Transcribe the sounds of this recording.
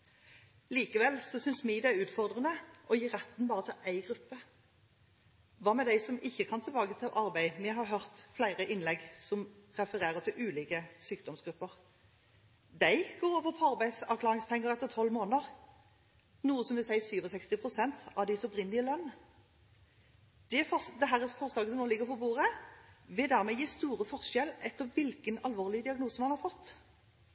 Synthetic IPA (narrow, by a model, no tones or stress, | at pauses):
liːkəʋɛlsɔsʏnsmɪd̪ɛæʉːt̪fɔʁd̪ʁənəʔɔjiːɾɛt̪nbɑːʁət̪ʰɪlʔæɪɡʁʉpːə | ʋɑːmɛd̪æɪsɔmɪçːəkʰɑnt̪ʰɪlbɑːɡət̪ʰlʔɑʁbæɪmɛɦɑʁɦœʁt̪flæɪʁəʔɪnlɛɡsɔmʁɛfəʁeːʁət̪ʰɪlʔʉːliːkəsyːk̚d̪ɔmsɡɾʉpːəʁ | d̪æɪɡoːɾɔʋɔpʰɑʁbæɪd̪sɑʋkʰlɑːʁɪŋspʰɛŋːəʁɛt̪ːəʁt̪ʰɔlːmoːnəʁ | nuːəsɔmʋɪsæɪsyːʋɔsɛkst̪ɪpʰʁʊsɛnt̪ɑʋd̪ɪsɔpʁɪnːlɪəlœnː | d̪̥ɛfɔd̪ɛɦæːʁɛsɔfɔɾslɑːɡəsɔmoːlɪɡːəɾpʰɔbuːʁəʋɪd̪æʁmɛjiːst̪uːʁəfɔʁʃɛlːʔɛt̪ːəɾʋɪlkənɑlʋoːʁlɪəd̪ɪɑɡnuːsəmɑnhɑɾfɔt̪ː